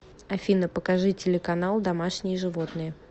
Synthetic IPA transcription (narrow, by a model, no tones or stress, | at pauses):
ɐfʲinəpəkɐʐɨtʲɪlʲɪkɐnalˠd̪ɐmaʂnʲɪjəʐɨvo̞t̪nɨjə